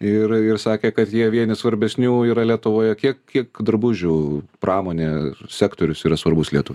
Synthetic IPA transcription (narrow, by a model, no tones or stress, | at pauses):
ɪrɪɾsɑːkʲeːkɐt̪jiɛʋʲiɛnʲɪsʋɐɾʲbʲɛsʲnʲuːiːɾɐlʲiɛt̪ʊʋoːjɛkʲiɛkkʲiɛkd̪ɾbʊʒʲuːprɑːmoːnʲeːsʲæːkt̪oːɾʲʊsiːɾɐsʋɐrbʊslʲiɛt̪ʊʋʲ